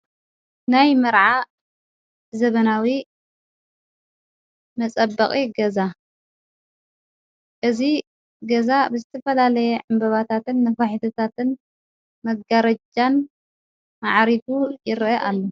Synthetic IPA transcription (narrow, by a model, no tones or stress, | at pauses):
najmɐɾʕa | zɐβɐnawi | mɐt͡sʼɐbɐχʼiɡɐza | ʔɨzi | ɡɐzabɨzɨt̪ʰɐfɐlalɐjɛʕɨmbɐβat̪ʰat̪ɨnːɐfaħit̪ʰot̪ʰat̪ɨn | mɐɡaɾɐd͡ʒan | maʕɾidujɪɾʔɐʔalːo